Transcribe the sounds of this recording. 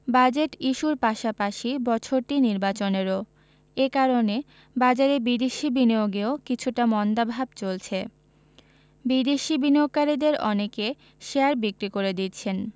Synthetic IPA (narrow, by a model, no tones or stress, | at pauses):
bad͡ʑeʈiʃuɾpaʃapaʃibɔt͡ɕʰoɾʈiniɾbat͡ɕoneɾo | ekaɾone | bad͡ʑaɾebid̪eʃibinioɡeokit͡ɕʰuʈamɔnd̪abʱab̚t͡ɕolt͡ɕʰe | bid̪eʃibiniok̚ːaɾid̪eɾɔneke | ʃeaɾbikɾikoɾed̪itːt͡ɕʰen